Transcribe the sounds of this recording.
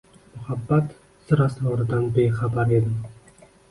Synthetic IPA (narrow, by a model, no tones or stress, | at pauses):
mʊhabːat̪ | sɨɾɑslˠɒɾɨd̪anbeχabaɾed̪ɪm